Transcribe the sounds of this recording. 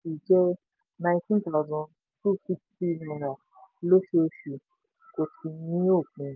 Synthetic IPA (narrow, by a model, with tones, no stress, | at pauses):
i˨d͡ʒɛ˧ | nã˧ĩ˧tĩ˦nt̪a˦ʊ˨zã˧n | tu˦˨fi˦kti˦nɔ̃˧˨ɾa˨ | lo˦ʃe˧o˧ʃu˨ | ko˨tʰi˧nĩ˦o˦˨k͡pĩ˧